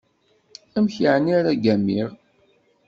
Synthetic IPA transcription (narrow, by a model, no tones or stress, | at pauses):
æmçəʕnːiɾæɡæmːiʁ